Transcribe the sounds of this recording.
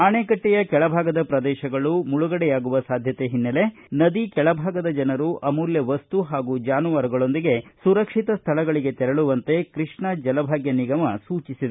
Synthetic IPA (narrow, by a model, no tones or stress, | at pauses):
ɐɳeːkɐʈːɛjɐkɛɭɐbʱaːɡɐd̪ɐpɾɐd̪ɛːʃɐɡɐɭumuɭuɡɐɽɛjaːɡuʋɐsaːd̪ʱjɐt̪e̞ɦinːɐle | nɐd̪ikɛɭɐbʱaːɡɐd̪ɐd͡ʒɐnɐɾuʔɐmuːljɐʋɐst̪uɦaːɡud͡ʒaːnuʋaːɾuɡɐɭo̞nd̪iɡe̞suɾɐkʂit̪ɐst̪ʰɐlɐɡɐɭiɡe̞t̪ɛɾɐɭuʋɐnt̪e̞kɾiʂɳɐd͡ʒɐlɐbʱaːɡjɐniɡɐmɐsuːt͡ʃisid̪e